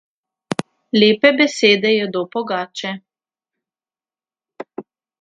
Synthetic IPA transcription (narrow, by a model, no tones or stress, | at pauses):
leːpɛbɛseːd̪ɛjɛd̪oːpɔɡaːt͡ʃɛ